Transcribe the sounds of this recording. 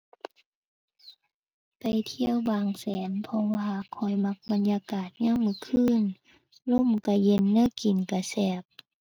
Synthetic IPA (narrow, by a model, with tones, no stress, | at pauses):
ka˨jt̪ʰi˧əwbaː˨˩ŋsɛː˨˦npʰɔ˧waː˧kʰɔ˧˩jma˧˥k̚ba˨njaː˧kaː˨˩t̪̚ɲa˧˥˨wmɯ˧˦kʰɯː˧˥˨n | lo˧˥˨mka˧˩je˧˥˨nːɯ˧˥˨ki˨˩nka˧˩sɛː˧˩p̚